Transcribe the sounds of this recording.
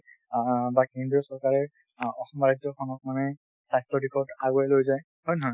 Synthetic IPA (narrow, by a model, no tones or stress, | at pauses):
bakendɹiɔsɔɹkaɹɛ | ɔxɔmɔɹad͡ʒɔkʰɔnɔk̚manɛ | sajtɔdikʰɔtaɡɔjlojzaj | hɔjnɔɦɔj